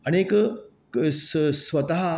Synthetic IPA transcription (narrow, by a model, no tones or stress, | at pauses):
əñek | ssʋɐt̪aɦ